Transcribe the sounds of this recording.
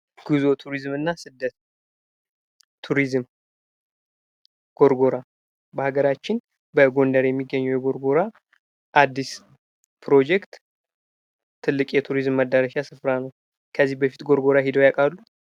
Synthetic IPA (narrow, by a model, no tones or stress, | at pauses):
ɡ̥ɨzo̞t̪ʰuɾizmɨnːasɨd̪ːət̪ | t̪ʰːuɾizɨm | ɡ̥o̞ɾɡo̞ɾa | bəhaɡəɾat͡ʃːɪn | bəɡo̞nd̪əɾjɛmːiɡːəɲːɛwjɛɡo̞ɾɡo̞ɾa | ʔad̪ːis | pɾo̞d͡ʒɛkt̪ | t̪ʰːɨlːɨkʼjɛt̪ʰuɾizmːəd̪ːəɾəʃasɨfɾanəw | kʰəzːihbəfit̪ɡo̞ɾɡo̞ɾaɦid̪ojakʼalːu